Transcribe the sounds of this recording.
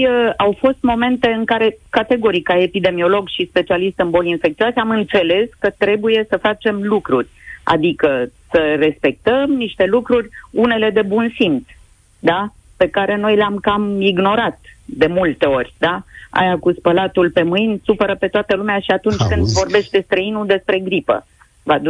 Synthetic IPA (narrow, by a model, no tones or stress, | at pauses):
awfo̞st̪mo̞me̞nt̪eɨŋkaɾe̞kat̪e̞ɡo̞ɾikae̞pid̪e̞mio̞lo̞ɡʃispe̞t͡ʃialist̪ɨnbo̞linfekt̪sioaseamɨnt̪se̞le̞skət̪ɾe̞buje̞səfat͡ʃe̞mlukɾurʲa̰d̪ikəsəre̞spe̞k̚t̪əmniʃt̪e̞lukɾurʲune̞le̞d̪e̞bunsims | d̪a | pe̞kaɾe̞no̞jleamkamiɡno̞ɾat̪̚d̪e̞mult̪e̞o̞rʲd̪aa̰jakuspəlat̪ulpe̞mɨjnʲsupəɾəpe̞t̪oat̪əlumeaʃiat̪unt͡ʃʲkɨnd̪vo̞rbe̞ʃt̪e̞st̪ɾəinud̪e̞spɾe̞ɡɾipə̰ | vad̪